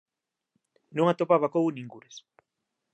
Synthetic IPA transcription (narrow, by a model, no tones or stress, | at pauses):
nuŋat̪opaβakoɣuniŋɡuɾes